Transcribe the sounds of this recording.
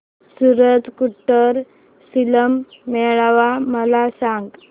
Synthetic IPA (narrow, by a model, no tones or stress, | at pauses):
suɾət̪kuʈːəɾ | siləmː | ɛɭaʋaməlasãŋɡ